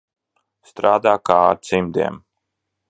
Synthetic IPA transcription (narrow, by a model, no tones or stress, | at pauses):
st̪ɾaːd̪aːka̰ːɾt̪simd̪ḭɛm